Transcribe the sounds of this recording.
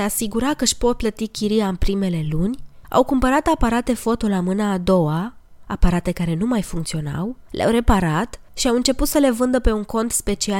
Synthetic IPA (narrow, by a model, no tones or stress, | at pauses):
easiɡuɾakəʃpo̞t̪̚plət̪ikʲiɾiaɨnpɾime̞le̞lunʲa̰wkumpəɾat̪apaɾat̪e̞fo̞t̪o̞lamɨnaːd̪o̞wa | apaɾat̪e̞kaɾe̞numajfuŋkt̪sio̞na̰wlḛʔa̰wɾe̞paɾat̪ | ʃiawɨnt͡ʃe̞put̪səle̞vɨnd̪əpe̞uŋko̞nt̪spe̞t͡ʃia